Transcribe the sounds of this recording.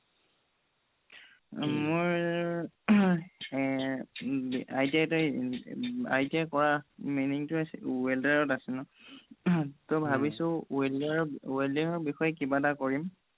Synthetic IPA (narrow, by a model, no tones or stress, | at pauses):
moɹ | ajtiatɔ | a̰jtiakɔɹaminiŋtʊsweldaɹɔtasɛnʊ | tɔbʱabisʊ̃eldaɹɔweldiɹɔɹbixɔjɛkibatakoɹim